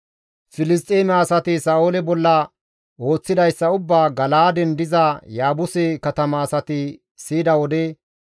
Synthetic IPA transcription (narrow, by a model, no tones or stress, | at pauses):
fɪlɪs̬t̪ʼːeːmɛːsɐt̪ɪsaːolɛbɔlːɐ | o̞ːt͡sːɪd̪ɐjsːɐʊbːaːɡɐlaːd̪ɛnd̪ɪzɐjaːbʊsɛkɐt̪ɐmɐːsɐt̪ɪ | siːd̪ɐwɔd̪ɛ